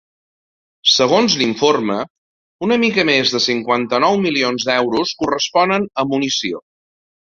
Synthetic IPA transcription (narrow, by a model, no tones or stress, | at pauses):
səɣonzliɱformə | unəmikəmezðəsiŋkwant̪ənɔwmilionzd̪ɛwɾuskurəspɔnənəmunisio